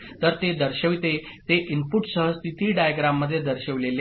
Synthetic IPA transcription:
t̪əɾt̪ed̪əɾɕəʋit̪e | t̪eʔimpuʈsəɦəst̪it̪iːɖajəɡɾamːəd̪ʱːjed̪əɾɕəʋlele

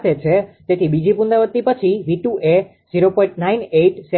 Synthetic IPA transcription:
t̪ʰet͡ʃʰet̪et̪ʰibid͡ʒipund̪aʋət̪ːipət͡ʃʰiʋiʈuʔe | ziɾopɔ̃ĩɳʈnaineʈsɛ

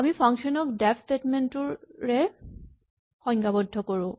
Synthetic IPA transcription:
amipʰaŋkʃɔnɔkdɛpʰtetmentʊɹːɛ | xɔŋkabɔdʱːɔkoɹʊ̃

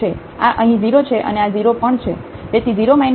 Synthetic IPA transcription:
e | aʔəɦĩd͡ʒiɾot͡ʃʰeʔə̰nead͡ʒiɾopəɳt͡ʃʰe | d͡ʒ̪et̪ʰid͡ʒiɾomain

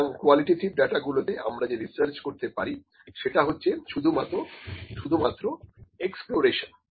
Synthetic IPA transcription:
ŋkwaliʈiʈibɖaʈaɡulot̪eʔa̰mɾad͡ʑeɾisəɾt͡ɕkoɾt̪epaɾi | ʃeʈaɦotːɕʰeʃud̪ʱumat̪oʃud̪ʱumat̪ːɾoeksploɾeʃon

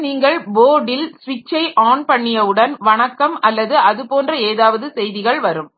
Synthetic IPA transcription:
niːŋɡɐɭboːɽɪlsʋɪt͡ʃːɐɪʔaːɳpɐɳːɪjɐʋɯɽɐnʋɐɳɐkːɐmɐlːɐðɯʔɐðɯpoːndrɐeːðaːʋɐðɯsɛjðɪɣɐɭʋɐɾɯm

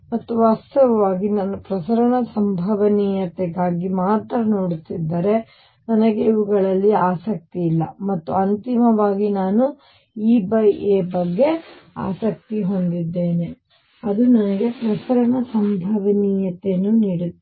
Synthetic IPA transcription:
mɐt̪ːuʋaːst̪ɐʋɐʋaːɡinɐnɐpɾɐsɐɾɐɳɐsɐmbʱɐʋɐniːjɐt̪eɡaːɡimaːt̪ɾɐnoːɽisid̪ːɐɾe̞ | nɐnɐɡeiʋuɡɐɭɐlːiaːsɐk̚t̪iːlːɐ̰mɐt̪ːuɐnt̪imɐʋaːɡinaːnu | iːbɐjʔeːbɐɡːe̞a̰ːsɐk̚t̪iɦo̞nd̪id̪ːe̞ːne̞ | ɐd̪unɐnɐɡe̞pɾɐsɐɾɐɳɐsɐmbʱɐʋɐniːjɐt̪enːuniːɽut̪ː

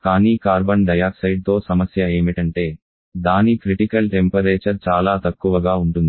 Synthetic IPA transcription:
kaːniːkaːɾbɐɳɖɐjaːksɐjɖ̚t̪o̞ːsɐmɐsjɐe̞ːmiʈɐɳʈe̞ː | d̪aːnikɾiʈikɐlʈempɐɾeːt͡ʃɐɾt͡ʃaːlaːt̪ɐkːuʋɐɡaːuɳʈund̪i

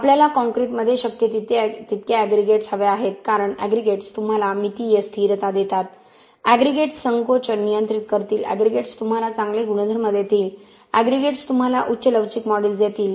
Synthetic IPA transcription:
apljalakɔ̃ŋkɾiʈməd̪ʱːjeɕəkjət̪it̪et̪it̪keæɡɾiɡeʈsɦəʋeaɦet̪kaɾəɳæ̰ɡɾiɡeʈst̪um̤alamit̪ijest̪ʰiːɾt̪ad̪et̪at̪ | æɡɾiɡeʈsəŋkot͡ɕənijənt̪ɾit̪kəɾt̪iːlæ̰ɡɾiɡeʈst̪um̤alat͡sãŋɡleɡuɽ̃əd̪ʱəɾməd̪ʱːjet̪iːl | æɡɾiɡeʈst̪um̤alaʔutːɕələʋd͡ʑikmɔɽeld͡zjet̪iːl

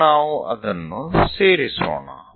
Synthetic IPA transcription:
aːuʔɐ̰d̪ɐnːuseːɾiso̰ːɳa̰

